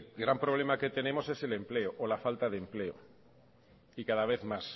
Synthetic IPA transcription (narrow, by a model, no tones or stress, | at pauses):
ɣɾampɾoβ̞le̞make̞t̪e̞ne̞mo̞sese̞le̞mpleoʔolafalt̪aðempleo | ikaðaβ̞eθmas